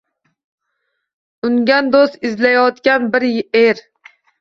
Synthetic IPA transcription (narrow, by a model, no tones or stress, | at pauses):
ʊŋɡʲand̪ost̪ɪzlajɒt̪kʲanbɪɾeɾ